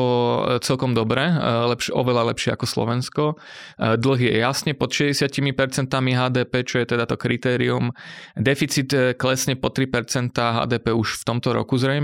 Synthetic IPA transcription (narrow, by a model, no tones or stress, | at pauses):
ɔt͡sɛlkɔmd̪ɔbɾɛlɛpʃʔɔ̰ʋɛlalɛpʃɪɛa̰kɔslɔ̰ʋɛnskɔ | d̪l̩ɣjɛ̰jasɲɛpɔt̪ʃɛzɟɛsɪacimipɛɾt͡sɛnt̪amiɦaːd̪ɛːpɛːt͡ʃɔjɛt̪ɛd̪at̪ɔkɾit̪ɛːɾiumd̪ɛfit͡sit̪klɛsɲɛpɔt̪ɾipɛɾt͡sɛnt̪aːɦa̰ːd̪ɛːpɛːuʃft̪ɔmt̪ɔɾɔ̰kuzɾɛjm